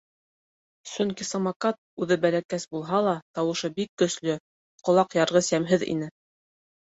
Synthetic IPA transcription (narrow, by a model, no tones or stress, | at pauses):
sɵŋkisɑmɑkɑt̪̚ʉðɘbælækæsbulˠɦɑlˠɑt̪ɑwɤ̆ʃɤbikːɵ̆slɵ | qŏlˠɑqjɑɾʁɤsæmɦɘðḭn̪ɘ